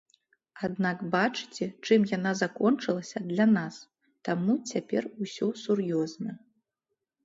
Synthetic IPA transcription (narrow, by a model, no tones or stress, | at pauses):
ad̪nakbat͡ʂɨ̥t͡sʲɛt͡ʂɨmjanazakɔnt͡ʂɨlˠɐsʲɐd̪lʲanas | t̪amut͡sʲapʲɛrusʲɔsurjɔznɐ